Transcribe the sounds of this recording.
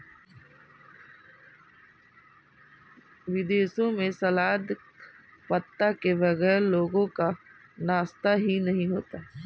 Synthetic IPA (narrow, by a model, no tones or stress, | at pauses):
ʋɪd̪eːʃõmẽsɐlaːd̪ | pɐt̪ːakebɐɡɛːɾloːɡõka | naːst̪aɦinɐɦĩɦoːt̪a